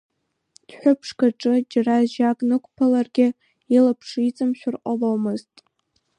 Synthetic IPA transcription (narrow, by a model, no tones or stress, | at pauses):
d̥ħʷᶣʊpʰʂkʰaʈ͡ʂʼɨd͡ʒaraʒakʼnɨkʷʰʼpʰalarɡʲɪ | ilapʰʂit͡sʼɨmʃᶣʷʊrqʼalowmɨztʼ